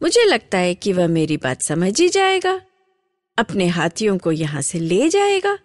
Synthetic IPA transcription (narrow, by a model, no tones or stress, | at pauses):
mʊd͡ʒʱelɐɡ̚t̪aɦɛkiʋɐɦmeːɾiba̰ːt̪sɐməd͡ʒid͡ʒaːeːɡaː | ɐpneɦaːt̪ʰijõkojɐɦãseleːd͡ʒaːeːɡaː